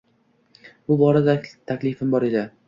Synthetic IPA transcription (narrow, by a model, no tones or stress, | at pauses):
bʊbɒɾad̪at̪ʰakʲlɪfɪmbɒɾe̞d̪ɪ